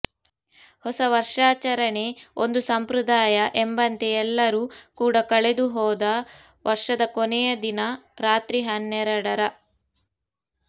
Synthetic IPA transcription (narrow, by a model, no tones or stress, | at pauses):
hɔsɐʋɐɾʂaːt͡ʃɐɾɐɳe̞ond̪usɐmpɾud̪aːjɐʔembɐnt̪eɛlːɐɾuːkuːɽɐkɐɭed̪uɦɔːd̪ɐ | ʋʔɐɾʂɐd̪ɐkonɛjɐd̪inɐɾaːt̪ɾiɦɐnːɛɾɐɽɐɾɐ